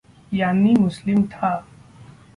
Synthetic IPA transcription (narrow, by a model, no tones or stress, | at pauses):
janːiːmʊslimt̪ʰa